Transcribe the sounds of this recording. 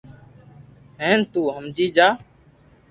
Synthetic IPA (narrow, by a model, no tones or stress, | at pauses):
ɦẽːnt̪uːɦəmd͡ʒiːd͡ʒaː